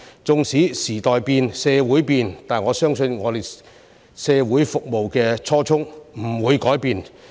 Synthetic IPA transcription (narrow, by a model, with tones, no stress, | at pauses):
t͡sʊ˨˧ŋsiː˨˥siː˨˩t̪ɔː˨jpiː˧nsɛː˧wuː˨˥jpiː˧nt̪aː˨˩nŋɔː˨˧sœː˥ŋsɵ˧nŋɔː˨˧t̪e˨j | sɛː˧wuː˨˥jfʊ˨k̚mo˨wkɛː˧t͡sʰɔː˥t͡sʰʊ˥ŋm̩˨˩wuː˨˧jkɔː˨˥jpiː˧n